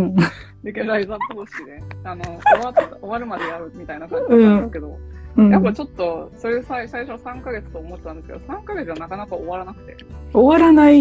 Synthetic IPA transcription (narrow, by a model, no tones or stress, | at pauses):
ɯ̃ | d̪ekʲeaizapoːɕi̥kʲid̪e̞anooβat̪t̪aoβaɾɯ̟mad̪e̞jaɾɯ̟mʲit̪ainakãɲd͡ʑɯĩːesɨ̥ke̞d̪o̞̰ɯ̃ːjapːat͡ɕo̞t̪ːo̞soɾesaisaiɕo̞sãŋkaɡe̞t͡sɨ̥t̪oːmo̞t̪ːet̪and̪eske̞d̪osãŋkaɡe̞t͡sɨanakanakaoβaɾanakɯ̟̥t̪e̞̰oβaɾanai